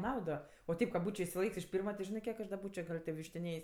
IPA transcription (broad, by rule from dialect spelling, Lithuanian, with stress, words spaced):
ˈnɐʊdoː oː ˈtʲɛɪp kɐ ˈbuːt͡ʃʲoː ɪʃʲsʲɪˈlˠɐɪkʲsʲ ɪʃ ˈpʲiːrmɐ ˈʒʲɪnɜ ˈkʲiɛk ɐʃ dɐ ˈbuːt͡ʃʲoː ɡɐlˠ tʲeː ʋʲɪʃʲtʲɪˈnʲeːjsʲ